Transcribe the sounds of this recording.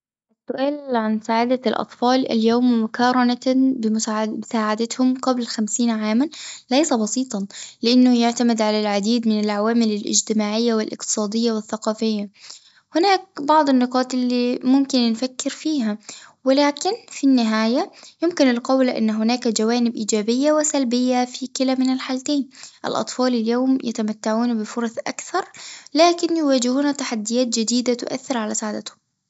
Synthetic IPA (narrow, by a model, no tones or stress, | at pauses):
ʔɪsːʊʔaːlʕansaːʕad̪alʔɑ̰t̪ˤfɑːlɪ̰ljoːmmʊkɑːɾˤɑnabɪmʊaɪsaːʕad̪at̪hʊmqablxamsiːnʕaːmanlajsabɑsiːt̪ˤɑlɪʔɪnːʊjaʕt̪amɪd̪ʕalalʕad̪iːd̪mɪnɪlʕawaːmɪlɪlʔɪ̰d͡ʒt̪ɪmaːʕɪjːawɪlʔɪ̰qt̪ɨ̥sˤɑːd̪ɪjːawɪθːaqɑːfɪjːa | hɪnaːk̚bɑʕd̪ˤɪnːɪqɑːt̪ˤʔɪlːimʊmkɪnnfakːɪɾfiːɦawɪlaːkɪnfinːɪɦaːjajʊmkɪnɪlqɑwlʔɪ̰nːɦʊnaːkad͡ʒawaːnɪbʔiːd͡ʒaːbɪjːawɪsalbɪjːafikɪlamɪnɪlħaːlt̪eːnʔɪ̰lʔɑ̰t̪ˤfɑːlɪljoːmja̰t̪amat̪ːaʕuːnbɪfʊɾˤɑsʔa̰kθɑɾˤlaːkɪnjɪwaːd͡ʒɪhuːnat̪aħad̪ːɪjaːt̪̚d͡ʒɪd̪iːd̪at̪ʊʔa̰θːɪɾʕalasaʕd̪at̪hʊm